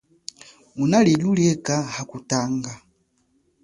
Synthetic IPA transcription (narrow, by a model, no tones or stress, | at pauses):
unalɛɟuliɛkahakutaŋɡa